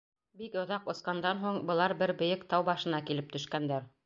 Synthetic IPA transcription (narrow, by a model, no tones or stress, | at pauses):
bikŏðɑqŏsqɑnd̪ɑnɦuɴbɤ̆lˠɑɾbɘɾbɵ̆jɘkt̪ɑwbɑʃɤ̆nɑkilɘp̚t̪ɵ̆ʃkænd̪æɾ